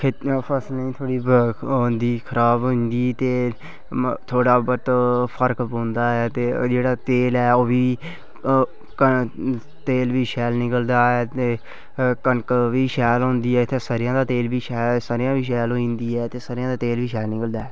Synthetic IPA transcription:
k̪ʰpʰəsnĩːt̪ʰoːɽiːɦoːnd̪iːkʰəɾaːbɦʊ̃nd̪iːt̪eː | t̪ʰoːɽaːbət̪pʰəɾkbõːnd̪aːɦɛːt̪eːd͡ʒeːɽaːt̪eːlɛːoːbiː | kə | t̪eːlʋiːʃɛːlnɪkəld̪aːɛːt̪eː | kənkʋiːʃɛːlɦõːnd̪iːɛːɪt̪ʰːeːsəɾɪjãːd̪aːt̪eːlbiːʃɛːsaːɾɪjãːbiːʃ̬ɛːloːĩnd̪iːɛːt̪eːsaːɾɪjãːd̪aːt̪eːlʋiːʃɛːlnɪkəld̪aːɦɛː

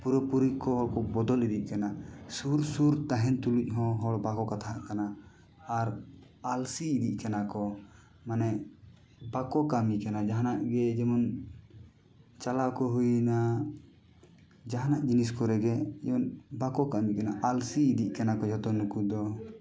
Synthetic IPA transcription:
puɾɔpuɾikɔɦɔlkɔbɔd̪ɔlid̪iʔ̚kanasuɾsuɾt̪aɦɛnt̪uluc̚ˀɦɔ̃ɦɔlbakɔkat̪ʰaaʔkanaː | ɾ | alsiːd̪iʔkanakɔ | manɛ | bakɔkamikanad͡ʒaɦanaʔɡɛd͡ʒɛmɔn | t͡ʃalakɔɦujna | d͡ʒaɦanaʔd͡ʒinis̬kɔɾɛɡɛd͡ʒɛmɔnbakɔkamikanaʔalsiːd̪iʔkanakɔd͡ʒɔt̪ɔnukud̪ɔ

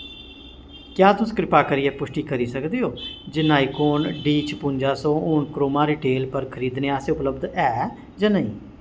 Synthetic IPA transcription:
kjaːt̪ʊskɾɪpaːkəɾiːɛːpʊʃʈiːkəɾiːsəkd̪iːoːd͡ʒɪnaːikoːnɖiːt͡ʃʰpʊ̃nd͡ʒaːsõːoːnkɾoːmaːɾɪʈeːlpəɾkʰəɾiːd̪neːaːseːʊpləbd̪ɛː | d͡ʒaːnəĩː

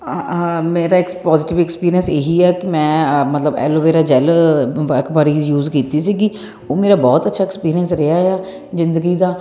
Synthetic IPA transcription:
meːɾaːɪkpɔːzɪʈɪʋɛkspiːɾiənseːɦiːɛːkɪmɛ̃ːmət̪ləbɛ̰ːloːʋeːɾaːd͡ʒɛːlʋəɾkbaːɾiːjuːzkiːt̪iːsiːɡi | oːmeːɾaːbɔːt̪ətːʃʰaːɪkspiːɾijənsɾeaːeaː | zɪ̃nd̪əɡiːd̪aː

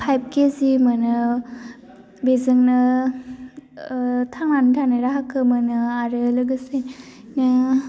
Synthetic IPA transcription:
pʰajb̚kezimɯnɯ | bezɯŋnɯ | tʰaŋnantʰanɯɾaɦakʰɯmɯnɯaɾɯlɯɡɯsennɯ

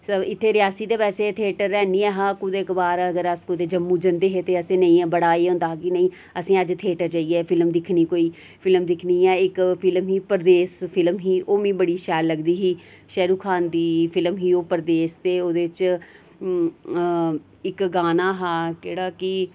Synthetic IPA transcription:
səɪt̪ʰːeːɾɪjaːsiːt̪eːpɛːseːt̪ʰeːʈəɾːɛːniːɛːɦaːkʊd̪eːkbaːɾəɡəɾəskʊd̪eːd͡ʒəmːũːd͡ʒənd̪eːɦeːt̪eːəsẽːnəĩːbəɽaːeːɦõnd̪aːɦːkɪnə̃ĩː | əsĩːəd͡ʒt̪ʰeːʈəɾd͡ʒaːiːɛːpʰɪlmd̪ɪkʰniːkoːiː | pʰɪlmd̪ɪkʰniːɛːɪkpʰɪlmɦiːpəɾd̪eːspʰɪlmɦiːʔoːmĩːbəɽiːʃɛːlːəɡd̪iːɦiː | ʃɛːɾuːkʰaːnd̪iːpʰɪlmɦiːoːpəɾd̪eːst̪eːoːd̪eːɪt͡ʃ | ɪkɡaːnaːɦaːkeːɽaːkɪ

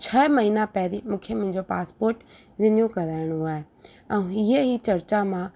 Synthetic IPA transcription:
t͡ɕʰɐmɐɦiːnãpɛɦɾimũːkʰemʊ̃ɦɪ̃ɲd͡ʑopaːspoːɾʈ | zɪɲjũkɐɾaːɪɽ̃ũaːɦe | ɛ̃ũɪɦəɦit͡ɕɐɾt͡ɕamã

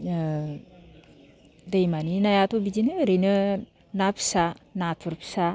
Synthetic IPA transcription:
dejmaninajatobid͡ʒinɯɾejnɯ | napʰi̥sanatʰuɾpʰi̥sa

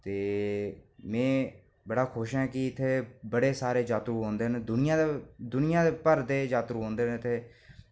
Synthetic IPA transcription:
t̪eː | mɛ̃ː | bəɽaːkʰoʃɦɛːkɪɪt̪ʰːeːbəɽeːsaːɾeːd͡ʒaːt̪ɾuːɦõːnd̪eːnd̪ʊnɪjãːd̪ed̪ʊnɪjãːd̪eːpəɾd̪eːd͡ʒaːt̪ɾũːnd̪eːnt̪ʰeː

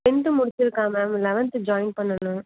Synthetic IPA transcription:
ɪɳɖɯmʊɽɪt͡ʃːɪɾɯkːaːmɐmlɛʋɐnt̪ɯd͡ʒaːɪn̚pɐɳːɐnʊ̃

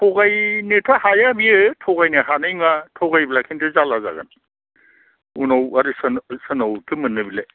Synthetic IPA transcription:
tʰɔɡajnetʰahajabiɯtʰɔɡajneɦanɯjŋatʰɔɡajblakʰintɯzalaza̰ɡa̰n | unawaɾisnsɯnawtʰimɯnːɯbile

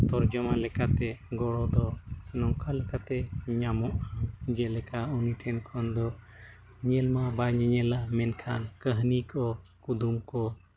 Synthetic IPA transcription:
t̪ɔɾd͡ʒɔmalɛkat̪ɛɡɔɽɔd̪ɔnɔŋkʰalɛkat̪ɛɲamɔʔad͡ʒɛlɛkauniʈʰɛnkʰɔnd̪ɔ | ɲɛlmabaɲɛɲɛlamɛnkʰa̰nkəɦnikɔkud̪umkɔ

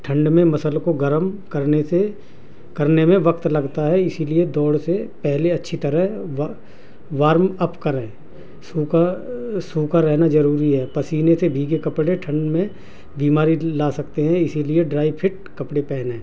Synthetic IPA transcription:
ʈʰə̃ɳɖmẽmɐsəlkoɡɐɾəmkɐɾnese | kɐɾnemẽʋɐkt̪lɐɡt̪aɦɛɪsilied̪ɔːɽsepɛɦleɐtːʃʰit̪ɐɾəɦʋ | ʋaːɾmɐpkɐɾɦɛ̃ː | suːkasuːkaɾɛɦnazɐɾuːɾiɦɛːpɐsiːnesebʱiːɡekɐpɽeʈʰə̃ɳɖmẽ | biːmaːɾilaːsɐk̚t̪eɦɛ̃ɪsilieɖɾaːɪpʰɪʈ̚ | kɐpɽepɛːnɛ̃ː

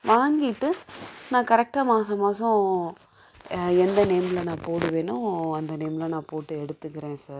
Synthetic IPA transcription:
ʋaːŋɡɪʈːɯnãːkɐɾɛk̚ʈamaːsɐmaːsʊ̃ | ɛnd̪ɐneːmlɐnãːpoːɽɯʋeːnʊ̃ɐnd̪ɐneːmlɐnãːpoːʈːɯɛɽɯt̪ːɯkːɪɾẽːsaːɾ

